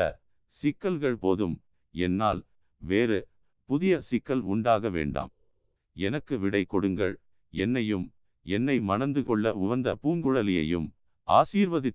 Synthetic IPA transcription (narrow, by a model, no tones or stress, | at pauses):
ɐ̰ | sɪkːɐlɣɐɭpoːðɯm | ɛnːaːl | ʋeːɾɯ | pʊðɪjɐsɪkːɐlʊɳɖaːɣɐʋḛːɳɖa̰ːm | ɛnɐkːɯʋɪɽɐɪkːɔɽɯŋɡɐɭ | ɛnːɐjɯm | ɛnːɐɪmɐnɐnd̪ɯkɔɭːɐʊʋɐnd̪ɐ̰puːŋɡɯɽɐlɪjɐ̰jɯ̰m | ʔa̰ːsiːɾʋɐðɪt̪